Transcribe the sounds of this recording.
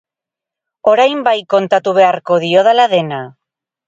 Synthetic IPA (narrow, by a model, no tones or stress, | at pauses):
o̞ɾajmbajko̞nt̪at̪uβ̞e̞aɾko̞ðio̞ðalaðe̞na